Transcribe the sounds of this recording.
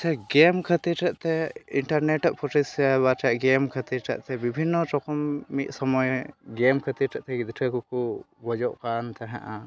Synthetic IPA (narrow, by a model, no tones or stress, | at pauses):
t͡ʃ̪ʰaɡɛmkʰət̪iʈʰɛʔt̪ɛiɳʈaɾneʈaʔpʰɔʈisabaʈaʔɡɛmkʰət̪iɾʈʰa̰ʔt̪ɛbibʱinːɔt͡ʃɔkɔmːit̪̚ˀsɔmɔjɡɛmkʰət̪iɾʈʰaʔt̪ɛɡid̪ʈʰəkuku | ɡɔd͡ʒɔʔkant̪aɦã̰ʔa